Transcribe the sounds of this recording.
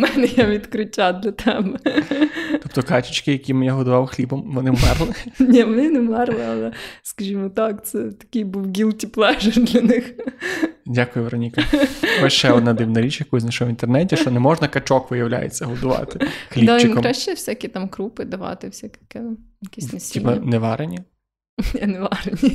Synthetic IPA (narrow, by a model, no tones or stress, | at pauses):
mɛnɛjaʋʲid̪kɾʊtʲad̪lʲɐt̪ɛbɛ | t̪ɔpt̪ɔkɑt͡ʃʊt͡ʃkɪjɐkʲimenʲɛɦɔd̪ʊʋɑwxlʲibɔmʋɔnɪmɛrlˠɪnʲiʋɔnɪnɛmɛrllˠɪɐlˠɛskɐʒʲimɔt̪ɑkt̪sɛt̪ɐ̥kʲɪjbuwɡʲilˠtʲiplˠɛʒɪd̪lʲɐnɪx | dʲakʊjʊʋɾɔnʲikɐɔʃt͡ʃɛɔd̪nad̪ɪwnɐɾʲit͡ʃjɐkɔjs̬ʲnaʃɔɦɔʋint̪ernɛtʲiʃt͡ʃɔnɛmɔʒnɐkɐt͡ʃɔkʋɪjɐwlʲa̰jḛt͡sʲːɐɦɔd̪ʊʋɑ̰t̪ɪxlʲid̪at͡ʃɪmkɔmɾaʃt͡ʃɛwsʲakʲit̪ɑmkɾupɪd̪ɐʋɑ̰t̪ɪwsʲakʲkɛ | jɐkʲisnɐipɐnɛʋɑɾenʲɐ | neʋɑɾenʲi